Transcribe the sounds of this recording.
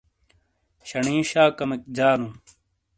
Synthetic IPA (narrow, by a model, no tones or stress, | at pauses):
ɕɐɳĩːɕaːkɐmek̚d͡ʑaːnuː